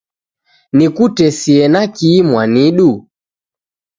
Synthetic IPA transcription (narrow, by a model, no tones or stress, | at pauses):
nikutɛsiɛnakiːmwaniɗu